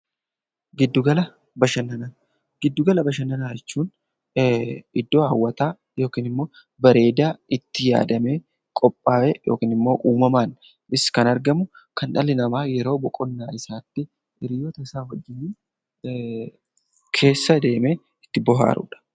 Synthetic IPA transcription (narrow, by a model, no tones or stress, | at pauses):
ɡɪd̪ːʊɡɐlɐ | bɐʃɐnːɐna | ɡɪd̪ːʊɡɐlɐbɐʃɐnːɐnaːjɛt͡ʃːuːn | ʔɪd̪ːo̞ːɐwːɐt̪aː | jo̞ːkiːnɪmːo̞ː | bɐɾe̞ːd̪aːʔɪt̪ːɪja̰ːd̪ɐme̞ː | kʼɔpʼːaːʔɛjo̞̰ːkiːnɪmːo̞ːʔuːmɐmaːn | ʔɪskɐnɐɾɡɐmʊkɐnᶑɐlɪnɐmaːjɛɾo̞ːbɔkʼɔnːaːɪsaːt̪ːɪ | ɪɾɪjɔt̪ɐɪsaːhɔd͡ʒːɪniː | kʰe̞ːsːɐd̪e̞ːmeː | ɪt̪ːɪbɔɦa̰ːɾʊ̰ᶑɐ̥